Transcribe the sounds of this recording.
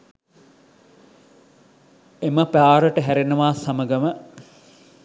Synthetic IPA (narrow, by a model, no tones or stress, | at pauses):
eməpaːɾəʈəɦæɾenuʋaːsaməɡəmə